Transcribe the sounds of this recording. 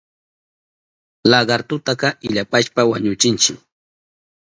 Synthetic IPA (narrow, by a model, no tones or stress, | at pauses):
laɢɑɾt̪ʊt̪ɑqɑʔɪʎapaʃpawaɲʊt͡ʃɪnt͡ʃɪk